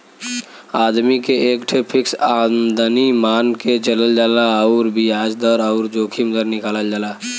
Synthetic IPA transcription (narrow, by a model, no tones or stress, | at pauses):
aːd̪mikeeːkʈʰepʰɪksaːnd̪ənimaːnket͡ʃələld͡ʒaːlaɔʊɾbiaːd͡ʒd̪əɾɔʊɾd͡ʒoːkʰimd̪əɾnɪkaːləld͡ʒaːlaː